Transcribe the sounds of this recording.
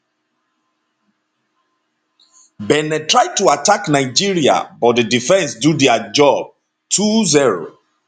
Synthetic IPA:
bɛnɛtɹaj̚tuataknaɪd͡ʒiɹia̰bɔt̚dədifɛ̃nsdudɛad͡ʒɔb̥̚ | tʰuziɹo̰

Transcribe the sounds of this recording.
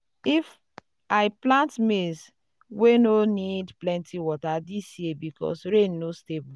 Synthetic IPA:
if | aɪplãntmes | wenonidplɛ̃ntʰiwɔtadisjebikɔ̰sɾẽnːostebu

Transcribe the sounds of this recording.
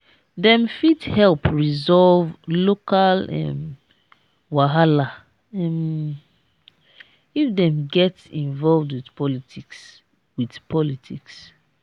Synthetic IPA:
dɛ̃mfithɛlpɹizɔlvlokalɛ̰m | waɦala | ɛm | ifdɛ̃mɡɛtĩnvɔlvdwidpɔlitiks | widpʰɔlitʰiks

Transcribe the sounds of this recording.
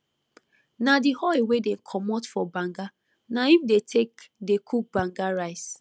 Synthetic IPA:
nadihɔiwedeŋ̩kʰɔmɔtfɔbaŋɡa | naifdetʰekdekʰuk̚baŋɡaɾaɪs

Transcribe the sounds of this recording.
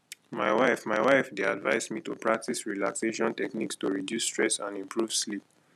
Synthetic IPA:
maɪwaɪfmaɪwaɪfdea̰dva̰ɪsmitupɹak̚tisɹila̰kseʃɔ̃ntɛknikstuɹidjustɹɛsã̰nĩmpʰɹuv̥slip̚

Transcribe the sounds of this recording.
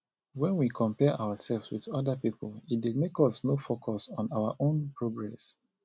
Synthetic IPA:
wɛ̃nwikʰɔ̃mpɛʔaʊəsɛlvswiðɔdapipɔlit̚demekɔsnofokʰɔsɔ̃nawa̰ʔõnpɹoɡɹɛs

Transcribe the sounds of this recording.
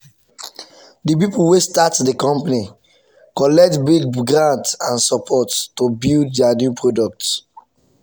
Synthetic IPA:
dip̬ipuwestatdikɔ̃mpani | kɔlɛk̚tbiɡɡɾãntsãnsɔpʰɔttobilddanjupɹodɔk̚t

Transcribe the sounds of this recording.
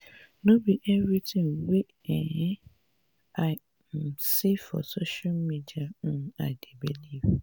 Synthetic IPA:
nobiʔɛvɹitĩŋwe | ɛ̃ | ʔaɪ | sifɔ̰soʃalmidiãa̰debiliv

